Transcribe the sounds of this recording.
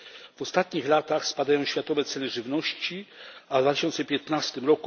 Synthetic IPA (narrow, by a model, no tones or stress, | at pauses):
v̥ɔst̪at̪ɲixlat̪axspad̪ajɔ̃w̃ɕfʲjat̪ɔvɛt̪sɛlɛʐɘvnɔɕt͡ɕiavd̪vat̪ɪɕɔnt̪sɛpʲjɛt̪nast̪ɘmɾɔku